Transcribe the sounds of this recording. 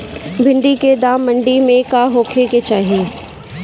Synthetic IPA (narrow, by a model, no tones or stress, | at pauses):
bʱɪ̃ɳɖiked̪aːmːə̃ɳɖimẽkaɦoːkʰeket͡ʃaːɦieː